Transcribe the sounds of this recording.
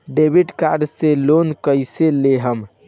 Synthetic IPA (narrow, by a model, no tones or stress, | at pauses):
ɖebʱiɖkaɾɖselonkəjseleɦəm